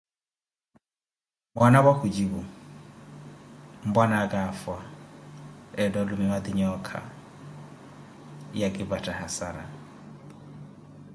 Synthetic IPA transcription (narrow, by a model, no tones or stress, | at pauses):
banabahud͡ʒibʊ | m̩banakʼaːfwa | ɛdɔlʊmɪmad̪iɲɔkʰa̰ | jakʼɪbatʼahasaɾa̰